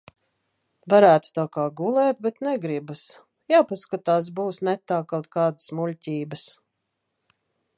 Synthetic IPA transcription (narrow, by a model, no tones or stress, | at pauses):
vaɾæːt̪u̥t̪aːkaːɡulˠɛːt̪̚bɛt̪nɛɡɾibus | jaːpaskat̪aːs̬buːsnɛt̪aːkawt̪̚kaːd̪asmulʲcʲiːbəs